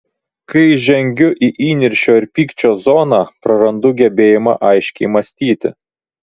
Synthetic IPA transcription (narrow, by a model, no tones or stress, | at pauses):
kɐɪʒʲɛŋʲɡʲʊʔiʔiːnʲɪɾʲʃʲoːɪɾpʲiːkt͡ʃʲoːzoːnɑːpɾɐɾɐnd̪ʊɡʲɛbʲeːjɪmɑ̰ʔɐɪʃʲkʲɛɪmɐsʲt̪ʲiːt̪ʲɪ̰